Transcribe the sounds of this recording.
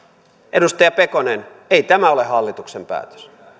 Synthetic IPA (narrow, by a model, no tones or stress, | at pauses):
ʔedust̪ɑjɑpekonen | eit̪æmæolehɑlːit̪uksempæ̰ːt̪ø̥s